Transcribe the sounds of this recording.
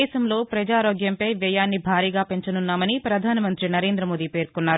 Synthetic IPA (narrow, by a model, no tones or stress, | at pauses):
ɛːsɐmlo̞ːpɾɐd͡ʒaːɾoːɡjɐmpɐjʋɛːjaːnːibʱaːɾiːɡaːpe̞ɲt͡ʃɐnunːaːmɐnipɾɐd̪ʱaːnɐmɐnt̪ɾinɐɾe̞ːnd̪ɾɐmo̞ːd̪iːpe̞ːɾkunːaːɾu